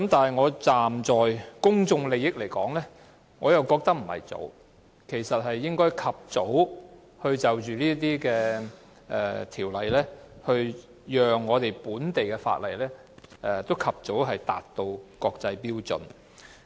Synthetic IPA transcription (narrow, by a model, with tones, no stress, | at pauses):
kɐ˨˥mt̪aː˨nɦɐ˨˩jŋɔː˨˧t͡saː˨mt͡sɔː˨jkʊ˥ŋt͡sʊ˧ŋle˨jɪ˥k̚le˨˩jkɔː˨˥ŋlɛː˥ | ŋɔː˨˧jɐ˨wkɔː˧k̚t̪ɐ˥k̚m̩˨˩hɐ̰˨˩jt͡so̰˨˧w | kʰe˨˩jsɐ˨t̚hɐ˨jːɪ˥ŋkɔː˥jkʰɐ˨p̚t͡so˨˥w | hɵ˧ɥt͡sɐ˨wt͡ʃyː˨liː˥t̪̬iː˥kɛː˧ | ʔɛː˨t̪ʰiː˨˩wlɐ˨jlɛː˥hɵ˧ɥ | jœː˨ŋːɔː˨˧t̪e˨jpuː˨˥nt̪e˨jkɛː˧fa̰ː˧t̚lɐ˨˩jlɛː˥ | ʔɛ˨˧t̪o˥wkʰɐ˨p̚t͡so˨˥wɦɐ˨jt̪aː˨t̚t̪o˧wkɔː˧k̚t͡sɐ˧jpiː˥wt͡sɵ̰˨n